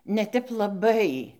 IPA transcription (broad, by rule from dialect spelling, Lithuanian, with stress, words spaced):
nʲɛ ˈtʲɛp lˠɐˈbɐɪ